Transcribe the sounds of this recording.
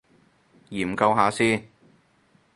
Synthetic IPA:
jiː˨˩m̩˨˩kɐ˧wɦaː˨˥siː˥

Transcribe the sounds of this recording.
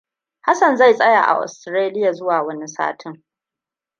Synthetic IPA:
ha˦sɐ˨nza˦˨jsʼɐ˦ja̰˨ʔa̰˨ʔʊ̰˨stɾeː˦lɪ˦ja˨zʊ˦waː˨wɐ˦ni˦sa̰ː˦tʰɪ˦ŋ

